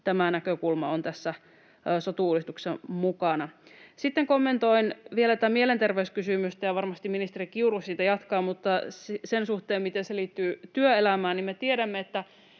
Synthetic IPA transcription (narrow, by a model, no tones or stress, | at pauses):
t̪æmænækøkulmɑ̰ont̪æsːæ | sot̪uːlist̪uksemmukɑnɑsit̪ːeŋkomːent̪oinʋielæt̪ːˑæmielent̪erʋeyskysymyst̪æjɑʋɑrmɑst̪iminist̪erikiurussiːt̪æjɑt̪kɑːmut̪ːɑssensuht̪eːmmit̪enseliːt̪ːyːt̪yøelæmæːnimmet̪ieɾæmːeet̪ːæ